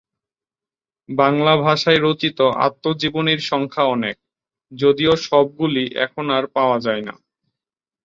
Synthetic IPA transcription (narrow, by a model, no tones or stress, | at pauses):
baŋlabʱaʃaeɾot͡ɕit̪oʔa̰t̪ːod͡ʑiboniɾʃɔŋkʰaɔnek̚ | d͡ʑod̪ioʃɔb̚ɡuliʔɛ̰kʰonaɾpaoad͡ʑaena̰